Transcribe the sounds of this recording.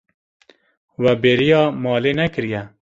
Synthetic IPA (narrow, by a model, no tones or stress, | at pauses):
wɛbeːɾijɑːmɑːleːnɛkɨɾjɛ